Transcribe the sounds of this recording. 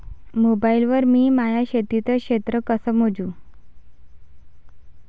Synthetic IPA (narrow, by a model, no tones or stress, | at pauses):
mobailʋəɾmiːmajaɕet̪it͡səkɕet̪ɾəkəsəmod͡zuː